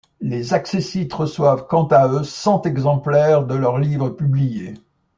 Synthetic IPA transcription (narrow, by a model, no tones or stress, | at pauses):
lezaksesit̪ʁəswavkɑ̃t̪aøsɑ̃t̪ɛɡzɑ̃plɛʁd̪əlœʁlivʁəpyblije